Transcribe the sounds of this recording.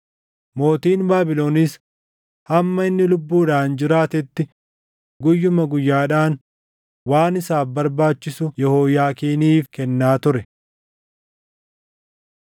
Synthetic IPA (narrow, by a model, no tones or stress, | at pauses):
mo̞ːt̪iːnbaːbɪlo̞ːniːs | hɐmːɐɪnːɪlʊbːuːᶑaːnd͡ʒɪɾaːt̪ɛt̪ːɪ | ɡʊjːʊmɐɡʊjːaːᶑaːn | waːnɪsaːfbɐɾbaːt͡ʃːɪsʊjɛhoːjaːkiːniːfkɛnːaːt̪ʊɾɛ